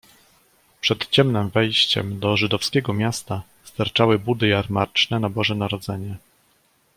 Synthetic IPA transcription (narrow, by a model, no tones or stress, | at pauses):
pʂɛt̪t͡ɕɛmnɘmvɛjɕt͡ɕɛ̰md̪ɔʐɘd̪ɔfskʲɛɡɔmʲjast̪a | st̪aɾt͡ʂawɘbud̪ɘjaɾmaɾt͡ʂnɛnabɔʐɛnaɾɔd̪zɛɲɛ